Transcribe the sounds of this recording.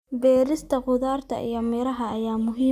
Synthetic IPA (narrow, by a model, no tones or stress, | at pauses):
bɛːɾɪst̪ʰɐqʊðaːrt̪ʰɐ̰ʔḭjɔmɛːɾɐɦɐːjaːmʊɦiː